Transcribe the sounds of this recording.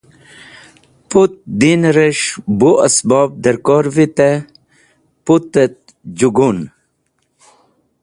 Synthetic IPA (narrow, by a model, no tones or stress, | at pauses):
put̪̚d̪inɾəʃbuɐsbɑb̚d̪ɐɾkɔːɾvit̪e | put̪ət̪̚ | d͡ʑuɡun